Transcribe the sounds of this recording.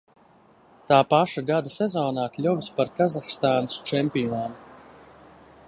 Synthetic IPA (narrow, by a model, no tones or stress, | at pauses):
t̪aːpaʃaɡad̪asɛzɔːnaːklʲuvspaɾkazaxst̪aːnɨst͡ʃɛmpiɔnaːm